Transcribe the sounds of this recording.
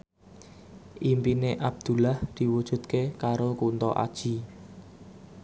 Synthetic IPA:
ʔimpineʔab̚d̪̥ṳlahd̪̥i̤wud̥ʒ̥ṳt̪̚kekaɾokunt̪ɔ̰ʔa̰d̥ʒ̥i

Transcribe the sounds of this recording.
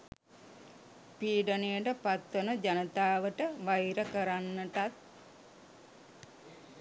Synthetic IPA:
piːɖənejəʈəpat̪ʋənəd͡ʒanət̪aːʋəʈəʋajɾəkəɾanːəʈat̪̚

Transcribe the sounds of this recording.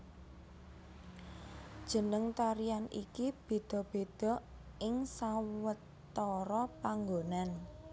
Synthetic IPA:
d̥ʒ̥ə̤nəŋt̪aɾijanʔḭkib̥e̤d̪̥ɔ̤b̥e̤d̪̥ɔ̤ | ʔɪŋsawət̪ː | ɔɾɔpaŋɡonan

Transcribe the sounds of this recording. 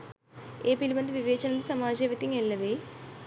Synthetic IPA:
eːpilibɐnd̪iʋiʋeːt͡ɕɐnɐnd̪isɐmaːd͡ʑɐjʋɐt̪ːiŋelːɐʋeː

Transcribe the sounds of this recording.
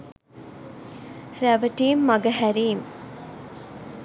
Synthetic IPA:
ɾæʋəʈiːmːɐɡɐɦæɾiːm

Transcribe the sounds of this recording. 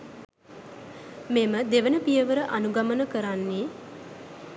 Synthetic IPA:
meməd̪eʋənəpijəʋəɾəʔanuɡamənəkəɾanːe

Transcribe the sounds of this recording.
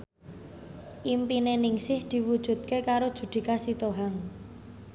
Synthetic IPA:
ʔimpinenɪŋsɪhd̪̥i̤wud̥ʒ̥ṳd̪̚kekaɾod̥ʒ̥ṳd̪̥i̤kasit̪oɦaŋ

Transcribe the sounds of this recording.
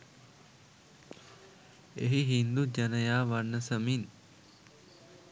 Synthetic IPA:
eɦiɦind̪ud͡ʒɐnəjaːʋanəsəmin

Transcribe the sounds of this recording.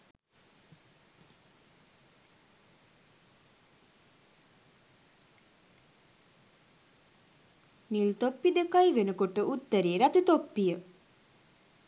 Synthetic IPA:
nilt̪opːid̪ekajiʋenəkoʈəʔut̪ːəɾeːɾat̪ut̪opːijə

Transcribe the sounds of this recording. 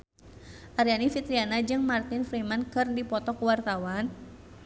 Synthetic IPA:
ʔaɾianifit̪ɾianad͡ʒɨŋmart̪ɪnfɾimankɨrdipɔt̪ɔkəwart̪awan

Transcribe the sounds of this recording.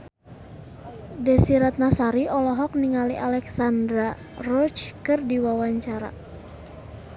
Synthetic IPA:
dɛsiɾat̪̚nasaɾiʔɔlɔɦɔk̚niŋaliʔalɛksandɾa | rɔt͡ʃkɨrdiwawaɲt͡ʃaɾa̰

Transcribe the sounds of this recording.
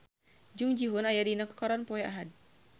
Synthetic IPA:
d͡ʒuŋd͡ʒiɦunajadinaku̥kɔɾanpɔjɛʔaɦad̚

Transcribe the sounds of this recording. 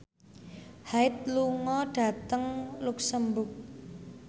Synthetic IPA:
haɪt̪̚luŋɔɖ̥ä̤t̪əŋluksəmbʊk̚

